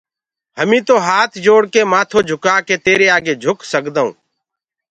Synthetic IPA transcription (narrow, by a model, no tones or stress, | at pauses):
ɦəmĩːt̪oːɦaːt̪ʰd͡ʒoːɽkeːmaːt̪ʰoːd͡ʒʱʊkaːkeːt̪eːɾeːaːɡeːd͡ʒʱʊksəkd̪aːṵ̃ː